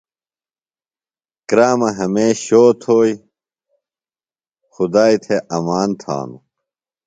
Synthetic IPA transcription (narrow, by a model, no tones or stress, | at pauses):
kɾaːmɐɦɐmeːɕoːt̪ʰoːji | xud̪aːit̪ʰeʔɐmaːnt̪ʰa̰ːnṵ